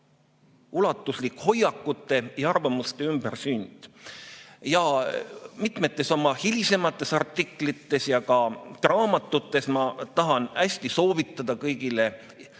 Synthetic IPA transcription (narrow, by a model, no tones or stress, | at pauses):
ulɑt̪ːˑuslikho̞jːɑkːˑut̪ːˑe̞jɑɑrvɑmust̪e̞ymb̥ersynʲd̪̥ | jɑ | mit̪me̞t̪ːˑe̞so̞mɑhilʲise̞mɑt̪ːˑe̞sɑrt̪ːˑikˑlit̪ːe̞sjɑkɑt̪rɑːmɑt̪ːˑut̪ːˑe̞smɑt̪ɑɦɑnæsʲt̪iso̞ːvit̪ːˑɑd̪̥ɑkɤjɡile̞